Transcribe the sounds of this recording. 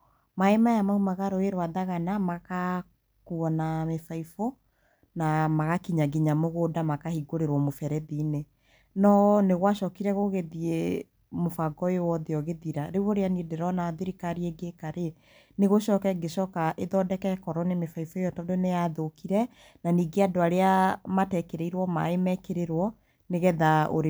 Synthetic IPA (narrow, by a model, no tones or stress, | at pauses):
maemajamaumaɣaɾoeɾwaðaɣanamaka | kuɔnamefaifo | namaɣakiɲaɡiɲamoɣoːdamakahiɡoɾeɾwɔmofɛɾɛðiːne | nɔneɣwaʃɔkiɾɛɣoɣeðie | mofaɡɔewɔðeɔɣeðiɾaɾewoɾeaniedeɾɔnaðeɾikaɾieɡekaɾe | neɣoʃɔːkɛɡeʃɔkaʔeðɔdɛkɛkɔɾɔnemefaifoejɔtɔdonejaðokiɾɛ | naniːɡeadoaɾeamatɛkeɾɛiɾwɔma̰emɛkeɾeɾwɔ | neɣɛðao̰ɾ